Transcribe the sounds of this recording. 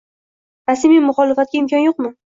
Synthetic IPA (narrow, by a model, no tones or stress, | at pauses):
ɾasmijmʊχɒlɪfat̪̚kʲaɪmkʰʲɒnjoq̚mɪ